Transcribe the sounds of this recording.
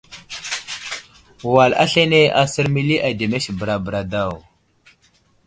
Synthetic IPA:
wa˨la̰˦ɬe˦ne˦a˨sə˦ɾmi˦li˦ʔa˨de˨me˦ʃbə˨ɾa˨bə˨ɾa˨da˦˨w

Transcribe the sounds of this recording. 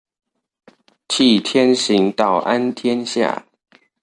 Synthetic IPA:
t͡ɕʰi˥˩t̪ʰjɛ˦nɕi˧˦ŋt̪ɑ˥˩ʊʔa˦nt̪ʰjɛ˦nɕja̰˥˩

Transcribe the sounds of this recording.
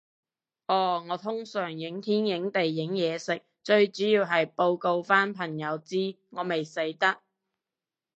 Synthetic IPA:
ʔɔː˧ŋɔː˨˧t̪ʰʊ˥ŋsœː˨˩ŋjɪ˨˥ŋt̪ʰiː˥njɪ˨˥ŋt̪e˨jːɪ˨˥ŋjɛː˨˧sɪ˨k̚t͡ʃɵ˧ɥt͡ʃyː˨˥jiː˧wɦɐ˨jpo˧wko˧wfaː˥npʰɐ˨˩ŋjɐ˨˧wt͡siː˥ | ŋɔː˨˧me˨jse˨˥jt̪ɐ˥k̚

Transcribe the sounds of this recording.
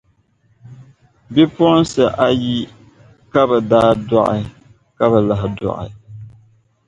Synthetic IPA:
bi˦pʊ˦ʔn˦sɨ˨ʔa˦ji˦ | ka˦bɛ˨daː˦dɔ˦˨ʔɪ̰˨ | ka˦bɛ˨la˨ɦɪ˨dɔ̰˨ʔɪ̰˨

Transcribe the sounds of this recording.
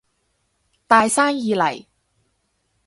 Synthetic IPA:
t̪aː˨˧jsaː˥njiː˨˧lɐ˨˩j

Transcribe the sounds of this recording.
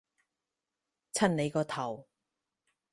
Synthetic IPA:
t͡sʰɐ˥nne˨˧jkɔː˧t̪ʰɐ˨˩w

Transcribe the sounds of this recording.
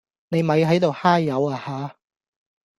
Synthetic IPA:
ne˨˧jmɐ˨˧jɦɐ˨˥jt̪o˨whaː˥jːɐ˨˧waː˨˧haː˨˦

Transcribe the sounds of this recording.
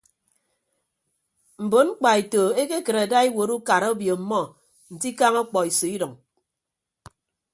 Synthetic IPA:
m̩˨bo˨˦nŋ͡m̩˦k͡pa˨e˨to˨e˦ke˦kɨ˨ɾa˨da˦i˦wo˨˦ɾu˦ka˨ɾo˦bjo˨m̩˨mɔ˦ | n̩˨ti˦ka˦ŋɔ˦k͡pɔ˨i˨so˨i˦dɔ˨ŋ

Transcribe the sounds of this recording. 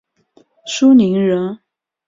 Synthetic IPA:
ʂu˥ni˧˥ŋɻə˧˥n

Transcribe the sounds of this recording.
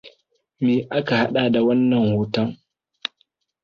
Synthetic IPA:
meː˨ʔa˦ka˨ha˦ɗa˨da˨wɐ˦nːɐ˨ŋhoː˨tɐ˦ŋ

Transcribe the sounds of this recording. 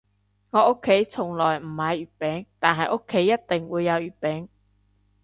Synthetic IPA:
ŋɔː˨˧ʊ˥kʰːe˨˥jt͡sʰʊ˨˩ŋlɔː˨˩jm̩˨˩hɐ˨˧jyː˨˩t̚pɛː˨˥ŋt̪aː˨nɦɐ˨jʔo˥kʰːe˨˥jːɐ˥t̚t̪ɪ˨ŋwuː˨˧jːɐ˨˧wjyː˨˩t̚pɛː˨˥ŋ

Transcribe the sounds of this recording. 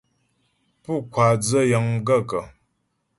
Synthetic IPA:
pu˦˨kwa˨d͡zə˦jə˨ŋ̩˦ɡə˦˨kə˨

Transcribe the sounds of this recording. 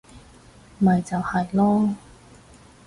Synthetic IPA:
mɐ˨jt͡sɐ˨whɐ˨jlɔː˥

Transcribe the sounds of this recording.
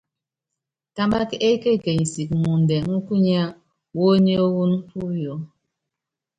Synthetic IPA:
ta˦mba˦ke˦ke˦˨ke˨ɲi˨si˨kmu˨n˨dɛ˨ŋu˦ku˦ɲ˦a˦ | wo˦ɲi˦o˦wu˦n˦pu˦jo˨˦

